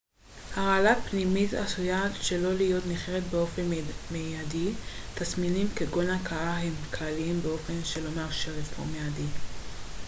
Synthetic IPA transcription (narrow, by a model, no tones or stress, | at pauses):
haʁaalapnimit̪a̰sujatʃe̞lo̞lijo̞t̪niχeʁet̪beo̞fenmejadit̪asminimkeɡo̞nakaaɦe̞mkʰlaliimbeo̞fe̞nʃe̞lo̞maʁʃeʁefo̰meadi